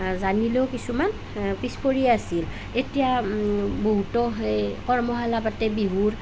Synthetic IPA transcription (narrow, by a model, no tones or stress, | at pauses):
zanilewkisuman | pispoɹiɛasil | etija | boɦutɔɦɔjkɔɹmɔɦalabatɛbiɦuɹ